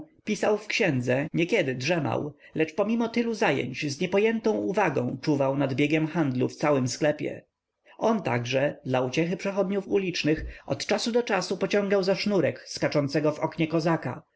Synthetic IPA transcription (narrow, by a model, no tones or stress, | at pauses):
pʲisawfkɕɛ̃nd̪zɛɲɛkʲɛd̪ɘdʐɛma̰w | lɛt͡ʂpɔmʲimɔt̪ɘluzajɛ̰ɲt͡ɕzɲɛpɔjɛnt̪ɔ̃w̃uvaɡɔ̃w̃t͡ʂuvawnad̪bʲjɛɡʲjɛmxand̪lṵft̪sawɘmsklɛpʲjɛ̰ | ɔnt̪a̰ɡʐɛd̪laut͡ɕɛxɘpʂɛxɔd̪ɲufulʲit͡ʂnɘxɔt̪t͡ʂasud̪ɔt͡ʂasupɔt͡ɕɔ̃ŋɡawzaʂnuɾɛkskat͡ʂɔnt̪sɛɡɔvɔkɲɛkɔzaka̰